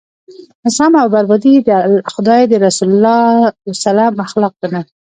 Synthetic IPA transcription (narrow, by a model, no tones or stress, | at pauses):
nɪsɑmawbaɾbɑd̪id̪xʊd̪ɑjd̪əɾasulʊlːɑsalɑmaxlɑq̚d̪əna